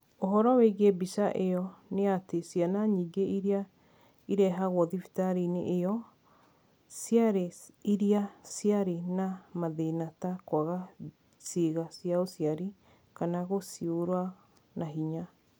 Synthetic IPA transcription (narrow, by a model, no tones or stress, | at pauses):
oɦɔɾɔwɛiɣebisaʔeɔneatesianaɲiːɡeiɾia | iɾɛɦaɣwɔðifi̥taɾinḭʔeɔ | sjaɾeiɾiasiaɾenamaðenatakwaɣa | seɣasjaosiaɾi | kanaɣosioɾwa | naɦiɲa